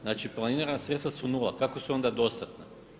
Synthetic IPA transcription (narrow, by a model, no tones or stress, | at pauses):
naːt͡ʃiplˠanineɾanasɾet̪st̪ʋasunula̰kakosuo̞nd̪ad̪o̞st̪at̪na